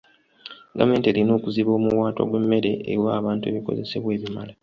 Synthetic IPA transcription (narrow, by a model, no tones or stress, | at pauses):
ɡame̞ːnteːlino̞ːkuziβo̞ːmuwaːtwa̰ɡwe̞mːe̞ɾe̞ʔːwaːβaːntue̞βiko̞̰ze̞̰se̞βwe̞ːβimala